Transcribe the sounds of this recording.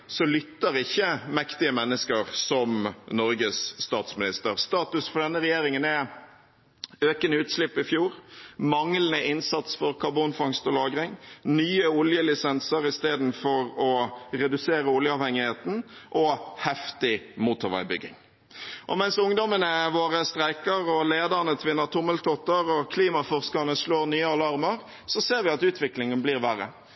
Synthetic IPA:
sɔlʏt̪ːəɾɪçːəmɛkt̪ɪəmɛnːəskəɾsɔmnɔɾɡəsːt̪ɑːt̪smɪnɪst̪əɾst̪ɑːt̪ʉsfɔɾɖ̪ɛnːəɾɛjeːɾɪŋənɛ | øːkənʉːt̪slɪpːɪfjuːɾmɑŋlənəʔɪnsɑt̪sfɔɾkʰɑɾbunfɑŋst̪ɔlɑːɡʁɪŋnyːəʊljəlɪsɛnsəɾɪst̪eːd̪n̩fɔɾɔʁɛd̪ʉseːɾəʊljəɑːʋhɛŋːɪheːt̪n̩ʔɔhɛft̪ɪmuːt̪ʊɾʋæ̰ɪbʏ̰ɡːɪ̰ŋ | ʔɔ̰mɛnsʊŋd̪ɔmənəʋoːɾəst̪ʁæɪkəɾɔleːd̪əʁnət̪ʰʋɪnːəɾt̪ʰʊməlt̪ʰɔt̪əɾɔkʰliːmɑfɔʁskənəsloːɾnyːəɑlɑɾməʁ | sɔseːɾʋɪɑt̪ʉːt̪ʰʋɪklɪŋənbliːʁʋæɾə̰

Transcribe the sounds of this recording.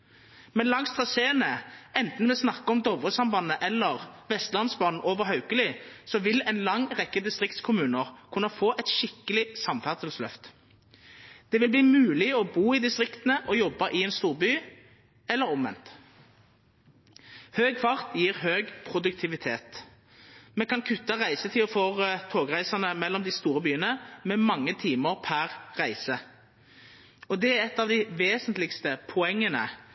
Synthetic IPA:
mɛnlɑŋst̪ʰʁɑseːnəɛnt̪n̩ʋɛsnɑkːəɔmd̪ɔʋʁəsɑmbɑnəʔɛlːəʁʋɛst̪lɑnsbɑːnn̩ʔoːʋəʁɦɑʉkəlɪsɔʋɪlɛnlɑŋːʁɛkːəd̪ɪst̪ʁɪkt̪skʰʊmʉːnəʁkʰʉnːɑfoːʔɛt̪ʃɪkːəlɪsɑmfæʁsəlslœft̪ | d̪̥ɛʋɪlbliːmʉːlɪɔbuːɪd̪ɪst̪ʁɪkt̪ənəʔɔjɔbːɑʔɪɛːnst̪uːʁbyː | ɛlːəʁɔmʋɛ̰nt̪ | høːɡ̚kʰfɑʁt̪jiːʁɦøːɡpʰʁʊd̪ʉk̚t̪ʰɪʋɪt̪ʰeːt̪ | mɛkɑnkʰʉt̪ːɑʁæɪsət̪ʰɪlɔfoːt̪ʰoːɡʁæɪsɑnəmɛlːɔmd̪ɪst̪uːʁəbyːənəmɛmɑŋːət̪ʰiːməʁpʰæʁʁæɪsə | ɔd̪ɛæʁɛt̪ːɑːʋd̪ɪʋeːsənt̪lɪkst̪əpʰɔɛŋːənə̰

